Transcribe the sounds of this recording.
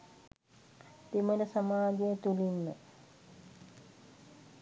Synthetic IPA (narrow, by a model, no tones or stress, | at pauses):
t̪emələsamaːɡejət̪ulinːə